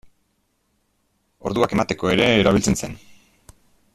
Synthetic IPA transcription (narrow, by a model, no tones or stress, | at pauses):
o̞ɾðuake̞mat̪e̞ko̞e̞ɾe̞ːɾailt͡se̞nse̞n